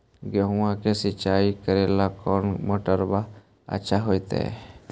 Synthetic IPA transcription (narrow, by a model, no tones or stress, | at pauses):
ɡɔɦʊ̃wãkesit͡ʃaikəɾɛlakɔnmɔʈəɾba | ə̰ʃʰaɦojt̪ɛ̰